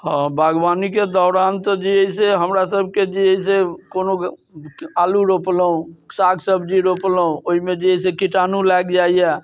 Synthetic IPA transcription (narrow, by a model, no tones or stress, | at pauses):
ɦə̃bʱaɡbaniked̪ɔʊɾant̪ɔd͡ʒiəiseɦəmɾasəbʱked͡ʒiəisekono | aluɾopləũsaɡsəbʱd͡ʒiɾoplũoɦimed͡ʒiəisekiʈanulɛɡd͡ʒaijɛ